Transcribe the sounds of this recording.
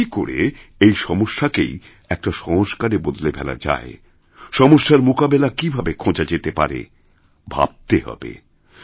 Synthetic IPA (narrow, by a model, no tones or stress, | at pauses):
iko̰ɾḛejʃɔmoʃːakḛj | ɛk̚ʈaʃɔɦoʃkaɾebod̪lebʱɛla̰d͡ʑa̰e | ʃɔmoʃːaɾmokabelakibʱabekʰõd͡ʑad͡ʑet̪epa̰ɾḛ | bʱa̰b̚t̪eɦɔ̰bḛ